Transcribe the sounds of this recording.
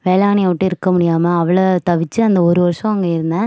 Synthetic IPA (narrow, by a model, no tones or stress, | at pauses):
ʋeːlaːniɐʋɐʈːɯ̃ɪɾɯkːɐmʊɽɪjaːmɐːʋɐɭɐt̪ɐʋɪt͡ʃːɯɐnd̪ɐɔɾɯʋɐɾʂɐ̃ɐŋɡɐɪɾɯnd̪ɐ